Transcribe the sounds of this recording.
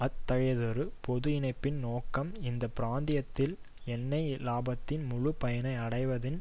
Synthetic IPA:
ɐt̪ːɐɣɐɪðɐɾɯpɔðɯɪnɐɪpːɪnnoːkːɐmɪnd̪ɐpɪɾaːnd̪ɪjɐt̪ːɪl | ɛnːɐɪlaːbɐt̪ːɪnmʊɻɯpɐjɐnɐɪɐɽɐɪʋɐðɪn

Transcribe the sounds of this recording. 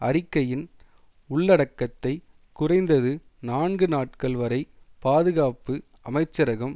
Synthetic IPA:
ɐrɪkːɐjɪn | ʊɭːɐɽɐkːɐt̪ːɐɪ | kʊrɐɪnd̪ɐðɯ | naːnɡɯnaːʈ̚kɐɭʋɐɾɐɪ | paːðɯɣaːpɯ | ɐmɐɪt͡ʃːɐɾɐɣɐm

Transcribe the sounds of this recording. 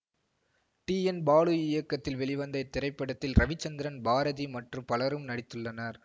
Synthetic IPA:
ʈiːɛnbaːɭɯɪjɐkːɐt̪ːɪlʋɛɭɪʋɐnd̪ɐɪt̪ːɪɾɐɪpːɐɽɐt̪ːɪlɾɐʋɪt͡ʃːɐnd̪ɪɾɐnbaːɾɐðimɐʈrɯmpɐlɐɾɯmnɐɽɪt̪ːɯɭːɐnɐɾ

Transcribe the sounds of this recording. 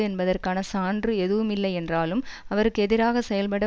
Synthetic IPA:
ɯɛnbɐðɐrkaːnɐsaːndrɯɛðɯʋɯmɪlːɐɪɛndraːlɯm | ɐʋɐɾɯkːɯɛðɪɾaːɣɐsɛjɐlpɐɽɐ

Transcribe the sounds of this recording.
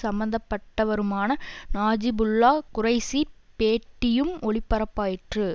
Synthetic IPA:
sɐmbɐnd̪ɐpːɐʈːɐʋɐɾɯmaːnɐnaːd͡ʒɪbʊlːaːkʊrɐɪsi | peːʈːɪjɯmʔɔɭɪpːɐɾɐpːaːjɪʈrɯ

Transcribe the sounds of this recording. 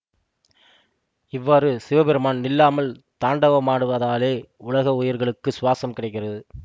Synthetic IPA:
ɪʋːaːɾɯsɪʋɐbɛɾɯmaːnnɪlːaːmɐlt̪aːɳɖɐʋɐmaːɽɯʋɐðaːleːʊlɐɣɐʊjɪɾɣɐɭɯkːɯsʊʋaːsɐmkɪɽɐɪk̬ːɪrɐðɯ

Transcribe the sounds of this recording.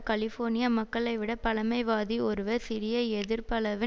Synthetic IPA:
kɐɭɪfoːɾnɪjamɐkːɐɭɐɪʋɪɽɐpɐlɐmɐɪʋaːðiɔɾɯʋɐsɪɾɪjɐɛðɪɾpɐɭɐʋɪ

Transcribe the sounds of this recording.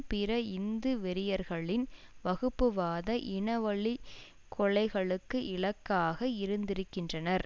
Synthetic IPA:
pɪɾɐɪnd̪ɯʋɛɾɪjɐɾɣɐɭɪnʋɐɣɯpːɯʋaːðɐʔɪɳɐʋɐɭi | kʰɔɭɐɪɣɐɭɯkːɯʔɪɭɐkːaːɣɐɪɾɯnd̪ɪɾɯkːɪndrɐnɐɾ

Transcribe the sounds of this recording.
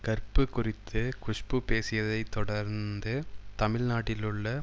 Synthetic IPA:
kɐɾpɯkːʊrɪt̪ʰːɯkʊʂpɯpeːsɪjɐðɐɪt̪ːɔɽɐɾnd̪ɯt̪ɐmɪɻnaːʈːɪlɯɭːɐ

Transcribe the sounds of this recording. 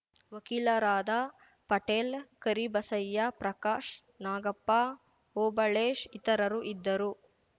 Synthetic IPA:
ʋɐkilɐɾaːd̪a | pɐʈeːlkɐɾibɐsɐjːɐpɾɐkaːʂ | naːɡɐpːa | oːbɐɭeːʃit̪ɐɾɐɾuʔid̪ːɐɾu

